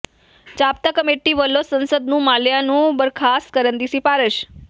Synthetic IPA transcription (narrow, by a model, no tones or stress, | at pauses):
t͡ʃap̚t̪akəmeʈːiʋəlːosənsəd̪nũmaljanũbəɾkʰaskəɾənd̪isipaɾəʃ